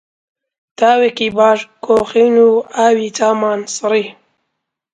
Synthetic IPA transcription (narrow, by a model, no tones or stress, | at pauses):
t̪aːwekibaːʐkoːxinuaːwit͡saːmaːnsɾi